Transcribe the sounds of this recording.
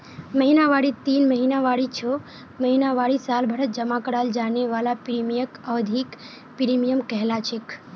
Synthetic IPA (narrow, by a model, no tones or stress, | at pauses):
məɦinaʋaɽit̪iːnməɦinaʋaːɽit͡ʃʰo | məɦinaʋaːɽisaːlbʱəɽət̪̚d͡ʒəmakəɽaːld͡ʒaːneʋaːlapɪɾimijəkəʋd̪ʱik | piɾimijəmkɛɦlat͡ʃʰek